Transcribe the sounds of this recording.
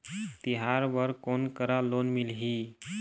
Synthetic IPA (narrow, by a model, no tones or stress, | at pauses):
t̪iɦaɾbəɾkonkəɾalonmilɦi